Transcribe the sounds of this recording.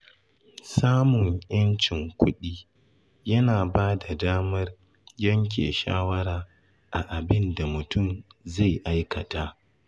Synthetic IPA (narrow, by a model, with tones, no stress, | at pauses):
saː˦mʊ˨ŋjɐ˦nt͡ʃɪ˨ŋkʷʊ˦ɗiː˦ | jɐ˦naː˨baː˦da˨daː˦mɐ˦r | jɐ˦ŋk̬ʲḛː˨ʃa̰ː˦wɐ˦ɽaː˨ | ʔa˨ʔa˨bɪ˦nda˨mʊ˨tʊ˦˨mza˦˨jʔa˦jkɐ˨ta˦ʔ